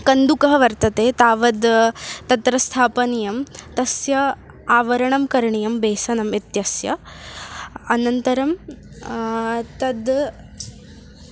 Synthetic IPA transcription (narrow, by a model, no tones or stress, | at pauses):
kɐnd̪ukɐɦɐʋɐɾt̪ɐt̪eːt̪aːʋɐd̪t̪ɐt̪ɾɐst̪ʰaːpɐnijɐmt̪ɐsjɐ | aːʋɐɾɐɳɐmkɐɾɐɳijɐmbeːsɐnɐmit̪jɐsjɐ̰ | nɐnt̪ɐɾɐm | t̪ɐd̪